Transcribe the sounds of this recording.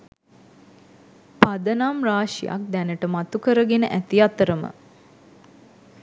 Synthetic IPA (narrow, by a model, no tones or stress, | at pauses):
pad̪ənamraːʃija̰k̚d̪ænəʈəmat̪ukəɾəɡenəʔæt̪iat̪əɾəmə̰